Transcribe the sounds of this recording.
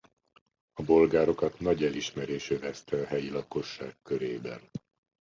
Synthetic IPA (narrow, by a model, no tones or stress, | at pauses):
ɒbo̞lɡaːɾo̞kɒt̪nɒɟɛliʃmɛɾeːʃøvɛst̪ɛɒɦɛjilɒko̞ʃːa̰ːkːø̞ɾeːbɛ̰n